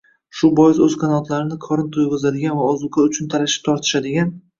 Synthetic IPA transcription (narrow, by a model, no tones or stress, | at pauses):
ʃʊbɒjɪzɵz̥qʰanɒlˠt̪ʰlaɾɪnɪkʰɒɾɪnt̪ʰojʁʊzad̪ɪɡʲanvaɒzʊqʰaʊt͡ʃʰʊnt̪ʰalaʃɪ̥p̚t̪ʰɒɾt̪ʰɪ̥ʃad̪ɪɡʲan